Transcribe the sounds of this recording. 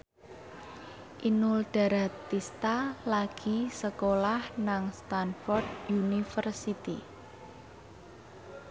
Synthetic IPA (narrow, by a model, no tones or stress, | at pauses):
ʔinʊld̪̥a̤ɾat̪ːist̪alaɡ̥i̤səkolahnaŋst̪anfɔrd̪̚junifərsit̪ḭ